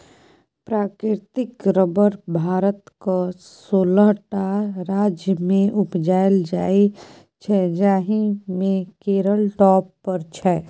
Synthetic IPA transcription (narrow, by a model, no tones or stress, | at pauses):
pɾaːkɾɪɾt̪ɪkɾəbəɾbʱaːɾət̪kasoːləɦʈaɾaːd͡ʒjəmẽʔʊpd͡ʒaːjld͡ʒaːi | t͡ʃʰɛd͡ʒaːɦimẽkeːɾəlʈɔːpːəɾt͡ʃʰɛː